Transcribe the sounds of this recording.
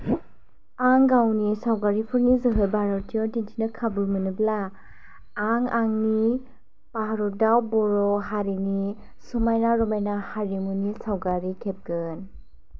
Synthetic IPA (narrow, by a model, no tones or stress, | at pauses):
aŋɡawnisawɡaɾipʰuɾnizɯɦɯlbaɾɔtiɔdintʰinɯkʰabumɯnɯblaː | ŋaŋni | paɦaɾɔdawbɔɾɔɦaɾini | sumajnaɾɔmajnahaɾimunisawɡaɾikʰep̚ɡɯn